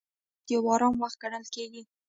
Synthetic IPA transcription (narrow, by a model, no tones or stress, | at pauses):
d̪̥ewɑɾɑmwaxt̪̚ɡ̥aɽəlkeɡi